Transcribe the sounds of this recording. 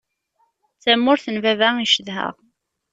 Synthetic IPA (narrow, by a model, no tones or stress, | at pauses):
t͡sːæmːʊɾθənvævæiʃəðɦə̰ʁ